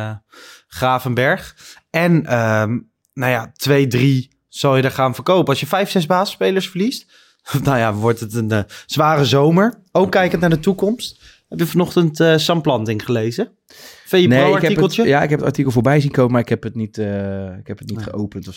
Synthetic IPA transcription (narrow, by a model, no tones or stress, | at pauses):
χraːfənbɛɹχ | ɛnəm | nawjatʋejdri | z̥ɑlˠjədaɹχaːnfəɹkowpəɑlˠsjəfɛjfsɛzbaːzəspejləɹsfəɹlist | dajaʋɔɹtətənz̥ʋaːrəzowməɹowkːɛjkəntnaːɹdətukɔmst | hɛpjəfɑnɔχtəntəsɑmplɑntɪŋχəlejzə | fejəneɪaɹtkɛikəl̩ˠtjəjaɪ̰kɦɛpəta̰ɹtikəlˠfoːɹbɛjzinkowməmaːɹɪkɦɛpətnitːɪkɛpətnitχəowpəntɔ